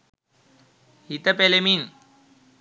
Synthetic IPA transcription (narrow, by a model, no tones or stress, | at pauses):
hit̪əpelemin